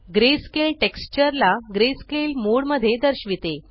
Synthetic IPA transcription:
ɡɾeskelʈekst͡ɕəɾlaɡɾeskelmoɽməd̪ʱːjed̪əɾɕʋit̪e

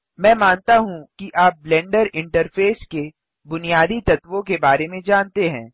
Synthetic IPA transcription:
mɛ̃ːmaːnt̪aɦũkiʔaːp̚blɛ̃ːɳɖəɾɪ̃ɳʈəɾfʰeːske | bʊnijaːd̪it̪ɐt̪ʋõkebaːɾemẽd͡ʒaːnt̪eɦɛ̃ː

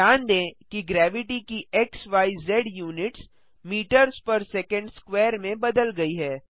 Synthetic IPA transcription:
aːnd̪ẽːkiɡɾɛːʋɪʈikiʔeksʋaːizɛɖjuːnɪʈs | miːʈəɾzpɐɾsɛːkə̃ɳɖskwɛːɾmẽbɐd̪əlɡɐiɦɛː

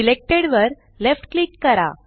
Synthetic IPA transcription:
ilek̚ʈeɽʋəɾ | lefʈklikːəɾa̰

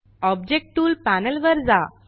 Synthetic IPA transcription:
ɔb̚d͡ʑek̚ʈuːlpænəlʋəɾd͡za

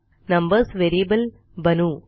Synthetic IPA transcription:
nɐ̃mbɐɾsʋeɾiəbəl | bɐnu

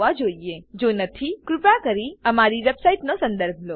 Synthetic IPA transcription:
ʋad͡ʒoied͡ʒonət̪ʰikɾupɭakəɾiəmaɾiʋɛbsaiʈnosə̃nd̪əɾbʱlo

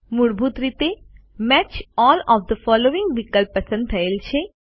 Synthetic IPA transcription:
muɽbʱut̪ɾit̪e | mɛt͡ʃɔːlɔːʋd̪əfɔːloːʋɪ̃ŋɡʋikəlpːɐsə̃nd̪ʰɐelt͡ʃʰe

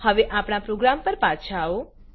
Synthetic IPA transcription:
həʋeʔapɳ̃apɾoɡɾampəɾpat͡ʃʰao

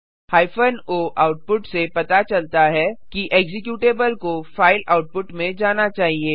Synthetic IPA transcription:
haːɪfʰənoːʔaːʊʈ̚pʊʈsepɐt̪at͡ʃɐlt̪aɦɛkiʔɛːɡzɪkjuːʈeːbəlkofaːɪlaːʊʈ̚pʊʈmẽd͡ʒaːnat͡ʃaːɦieː

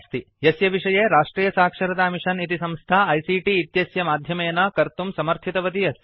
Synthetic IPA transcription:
st̪i | jɐsjɐʋiʂɐjeːɾaːʂʈɾiːjɐsaːkʂɐɾɐt̪aːmiʂɐnit̪isɐmst̪ʰaɐjsiːʈiːt̪jɐsjɐmaːd̪ʱjɐmɐjɐnɐkɐɾt̪umsɐmɐɾt̪ʰit̪ɐʋɐt̪ijɐs

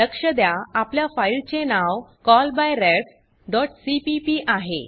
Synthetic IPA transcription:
ləkʂəd̪jaapljafailt͡ɕenawkɔlbajɾeʈ | d̪ɔʈsipipiʔaɦḛ

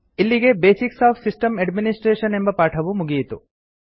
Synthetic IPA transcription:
ilːiɡe̞beːsiksaːfsisʈɐmɐɖminisʈɾeːʃɐne̞mbɐpaːʈʰɐʋumuɡijit̪u

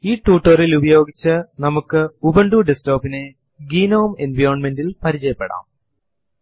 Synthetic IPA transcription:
iːʈːuːʈːorilubɐjo̞ːɡit͡ɕːɨnɐmukːɨubɐɳɖuɖesto̞ːpːine | ɡiːnoːmenʋɐjrnme̞ndilpɐɾit͡ɕɐjɐpːeɽa̰ːm

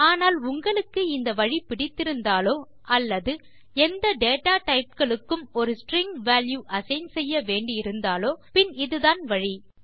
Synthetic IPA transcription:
aːnaːlʊŋɡɐɭɯkːɯɪnd̪ɐʋɐɻipɪɽɪt̪ːɪɾɯnd̪aːloː | ʔɐlːɐðɯ | ɛnd̪ɐɖeːʈaːʈɐɪp̚kɐɭɯkːɯmɔɾɯsʈɾɪŋɡʋaːljuːʔɐsɐɪnsɛjːɐʋeːɳɖɪɪɾɯnd̪aːloːpɪnɪðɯðaːnʋɐɻi

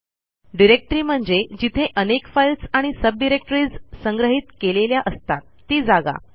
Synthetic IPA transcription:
ɖiɾek̚ʈɾiːm̤əɳd͡zed͡ʑit̪ʰeʔənekfajlsaɽ̃isəb̚ɖiɾek̚ʈɾiːd͡zsəŋɡɾəɦiːt̪keleljaʔəst̪at̪ːiːd͡zaɡa̰

